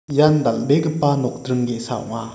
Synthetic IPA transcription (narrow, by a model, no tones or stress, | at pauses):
jandaldeɡɯpanɔk̚dɾɯŋɡesa̰wŋa